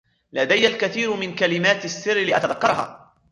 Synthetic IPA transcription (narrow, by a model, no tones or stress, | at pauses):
lad̪ajːalkaθiːɾmɪnkalɪmaːt̪asːɪrːlɪʔa̰t̪aðakːɑɾˤha̰ː